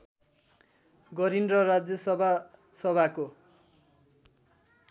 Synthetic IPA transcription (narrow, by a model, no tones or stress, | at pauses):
ɡʌɾinrʌrad͡zjʌsʌbʱasʌbʱako